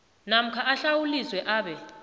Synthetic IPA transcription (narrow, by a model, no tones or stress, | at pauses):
nam̩kʰaʔaɬawuliswɛʔaːɓɛ